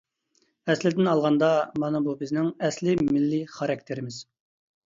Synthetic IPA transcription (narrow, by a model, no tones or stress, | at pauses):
ɛslɪd̪ɪnɑlˠʁɑnd̪ɑmɑnɨbubɪznɪŋɛslɪmɪlːɪχɑɾɑk̚t̪ʰeɾɪmɪz̥